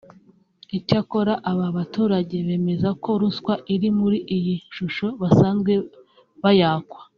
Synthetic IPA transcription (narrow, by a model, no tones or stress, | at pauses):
icako̞ɾaʔaβaβatuːɾaɟe̞βe̞ːme̞zako̞ɾuskwaʔiɾimuɾiʔijiʃuʃo̞βasaːnzɡwe̞ | βajaːkwḁ